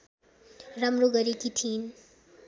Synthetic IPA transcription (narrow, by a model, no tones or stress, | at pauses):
rʌmroɡʌɾikit̪ʰin